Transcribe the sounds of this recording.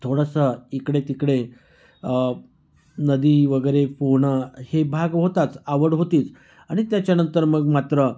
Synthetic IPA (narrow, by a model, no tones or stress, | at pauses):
t̪ʰoɽəsəikɽet̪ikɽe | nəd̪iːʋəɡəjɾefoɦɳəhebʱaɡɦot̪at͡saʋəɽɦot̪iːt͡s | aɽ̃it̪jat͡ɕjanənt̪əɾməɡmat̪ɾə